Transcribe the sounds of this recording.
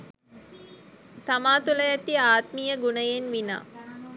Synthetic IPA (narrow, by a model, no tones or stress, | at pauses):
t̪amaːt̪uləjɛt̪iaːt̪mijəɡunəjenʋina̰ː